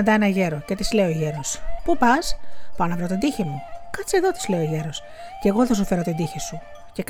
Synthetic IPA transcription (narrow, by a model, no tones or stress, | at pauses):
nd̪ɐenɐʝe̞ɾo̞cet̪izle̞oʝeɾo̞spupɐspuɐnɐvɾot̪id̪içemukɐtt͡se̞ðo̞t̪i̥zleoʝeɾo̞s | ceɣoθɐs̬ofe̞ɾo̞t̪id̪içisu | cek